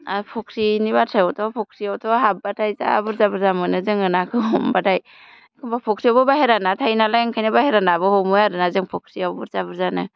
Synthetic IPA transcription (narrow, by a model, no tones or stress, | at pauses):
apʰɔksinibatʰajɔtʰɔpʰɔksiawtʰɔɦap̚batʰajza̰bɯɾzabɯɾzamɯnɯzɯŋɯnakʰɯhɔmbatʰaj | kʰɯmbapʰɔksiawbɯbaɦeɾanatʰajnalajaŋkʰajnabaheɾanabɯhɔmɔjaɾɯnazɯŋpʰɔk̚siawbɯɾzabɯɾzanɯ̰